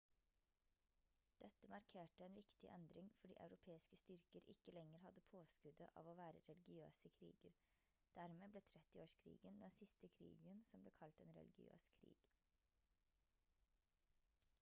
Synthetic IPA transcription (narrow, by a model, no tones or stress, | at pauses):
d̪̥ɛt̪ːəmɑɾkʰeːʈəɛːnʋɪkt̪ɪʔɛnd̪ɾɪŋfɔɖḭːʔɑ̰ʉɾʊpʰeːɪskəst̪ʏɾkəɾʔɪkːəlɛŋəɾhɑd̪ːəpʰoːskʉd̪əʔɑ̰ːʋoːʋæːɾəɾɛlɪɡɪø̰ːsəkʰɾḭːɡəɾ | d̪̥æɾmeːbleːt̪ʰɾɛt̪ːɪoːʂkʰɾḭːɡənd̪ɛnsɪst̪əkʰɾḭːɡənsɔmbleːkʰɑlt̪eːnɾɛ̰lɪɡɪ̰ø̰ːskʰɾḭːɡ̥